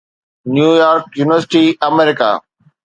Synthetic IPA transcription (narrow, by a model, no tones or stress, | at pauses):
njuːjaːɾk̚juːnɪʋəɾsɪ̥ʈiɐmɛːɾɪka̰ː